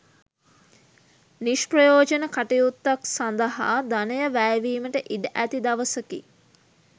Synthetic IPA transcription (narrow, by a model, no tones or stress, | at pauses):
niʃprəjoːd͡ʒənəkaʈejut̪ːaksand̪əɦa̰d̪anəjəʋæːjʋiːməʈəʔiɖəʔæt̪id̪ɐʋəsəki